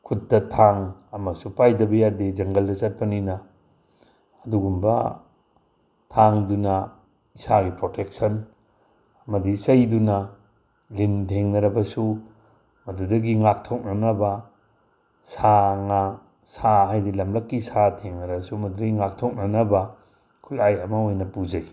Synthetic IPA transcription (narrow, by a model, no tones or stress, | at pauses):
kʰut̚dɐtʰaŋɐmɐsupajdɐbɐjadid͡ʒɐŋɡɐldɐt͡ʃɐt̚pɐninɐ | duɡumbɐ̰ | tʰaŋdunɐ | isaɡipɾotʰek̚sɐn | ɐmɐdisɐjdunɐ | lintʰeŋnɐɾɐbɐsu | mɐdudɐɡiŋak̚tʰok̚nɐnɐbɐ | saŋa | saɦajdilɐmlɐkːisatʰeŋnɐɾɐbɐsumɐdudɐɡiŋak̚tʰok̚nɐnɐbɐ | kʰulajɐmɐojnɐpud͡ʒaj